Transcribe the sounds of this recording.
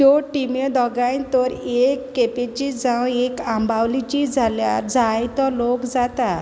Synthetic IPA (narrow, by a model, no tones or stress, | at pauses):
ɔʈimed̪ɔɡajt̪ɔɾekːepet͡ɕid͡zãwekãmbawlit͡ɕid͡zʱalja̰ɾd͡zajt̪ɔlokd͡zat̪a